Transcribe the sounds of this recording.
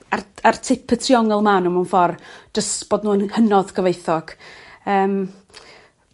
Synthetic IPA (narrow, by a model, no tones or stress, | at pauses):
arartʰɪpʰətʰriɔŋɛlˠmanumanfɔrd͡ʒəstb̥oːdnuːənhənɔðɡəvejθɔɡ̥əːm